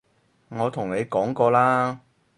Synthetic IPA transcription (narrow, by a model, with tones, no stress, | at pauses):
ŋɔː˨˧t̪ʰʊ˨˩ŋne˨˧jkɔː˨˥ŋkɔː˧laː˥